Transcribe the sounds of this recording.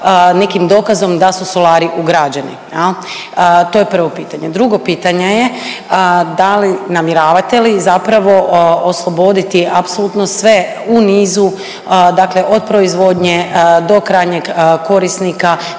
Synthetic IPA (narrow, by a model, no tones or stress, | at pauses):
ne̞kimd̪o̞ːkazo̞md̪asuso̞laːɾiʔuɡɾad͡ʒanḭjel | t̪o̞ːjepr̩ʋo̞piːt̪aɲed̪ɾuɡo̞piːt̪aɲeje | d̪alinamjiɾaːʋat̪e̞lizapɾaʋo̞oslˠobo̞d̪it̪iʔapsolut̪no̞sʋe̞ | uniːzu | d̪akle̞ʔo̞d̪̚pɾo̞izʋo̞d̪ɲe̞d̪o̞kɾaːjɲeɡko̞ɾisnika